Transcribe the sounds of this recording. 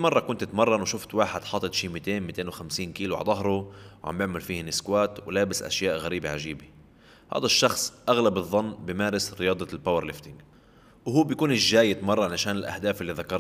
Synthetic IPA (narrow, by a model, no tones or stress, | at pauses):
imɑrˤːɑkʊnt̪ɪt̪mɑrˤːɑnwʃʊft̪waːħɪd̪ħɑːt̪ˤːɨt̪ʃiːmit̪eːnmit̪eːnwxamsiːnkiːlua̰ʕd̪ˤɑɦɾˤuwʕa̰mbjɪʕmalfiːhnɪskwaːt̪wlaːbɪsʔa̰ʃjaːʔɣaɾiːbiʕaʒiːbi | ha̰ːd̪aʃːɑxsˤʔaɣlabɨðˤːɑnːbɪmaːɾɪsɾɪjɑːd̪ˤɑlpawɑɾlɪft̪ɪŋɡ | wɦuːbjkuːnɪʒːaːjɪd̪mɑrˤːɑnaʃaːnɪlʔa̰hd̪aːfɪlːiðakɑɾˤ